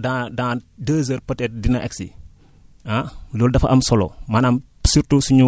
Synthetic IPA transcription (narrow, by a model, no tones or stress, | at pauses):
dadandəːzəɾpɐtɛːt̚dinɐʔɛksi | alɔːldɐfɐʔɐmsɔlɔ̰mɐnɐm | suɾtusuɲu